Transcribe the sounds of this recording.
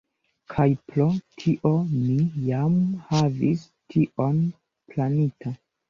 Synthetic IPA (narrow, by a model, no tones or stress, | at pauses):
kʰajplo̞tʰiʔo̞mijamhavis | tʰiʔo̞n | planitʰa